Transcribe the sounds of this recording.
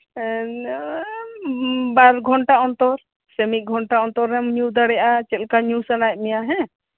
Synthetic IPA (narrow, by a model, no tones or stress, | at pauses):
baɾɡʱɔɳʈaɔnt̪ɔɾ | sɛmiˀɡʱɔɳʈaɔnt̪ɔɾɛmɲud̪aɽɛjʔat͡ʃɛt̪̚kaɲusanajʔ̚ˀmɛjaɦɛ̃